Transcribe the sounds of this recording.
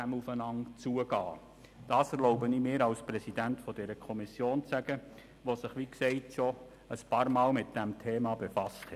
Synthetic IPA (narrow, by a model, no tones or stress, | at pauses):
æmufənɑŋt͡suəɡɑː | d̥ɑːsɛɾlɔʊbəniːmɪːɾɑlspɾɛsidæntfɔdɛɾəkʰɔmisjoːnt͡sæɡə | ʋosɪχʋiksɛɪtʃɔ | əspɑːɾmɑːlmɪt̪̚d̥æmtʰeːmɑbefɑsthɛ